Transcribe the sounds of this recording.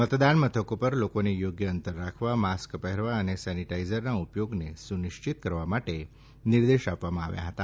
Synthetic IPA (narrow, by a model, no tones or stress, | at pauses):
mət̪d̪anmət̪ʰəkopəɾlokonejoɡjəənt̪əɾːakʰʋamaskpəɦeɾʋaənesɛniʈaizəɾnaupjoɡnesuniʃt͡ɕit̪̚kəɾʋamaʈe | niɾd̪eʃapʋamãa̰ʋja̰ɦət̪a